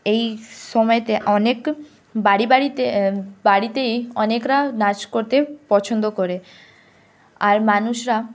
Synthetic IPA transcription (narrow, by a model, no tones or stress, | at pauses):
ejʃɔmɔet̪eʔɔnek | baɽibaɽit̪ebaɽit̪ejɔnekɾanad͡ʑkoɾt̪epɔt͡ɕʰond̪okoɾe | aɾmanuʃɾa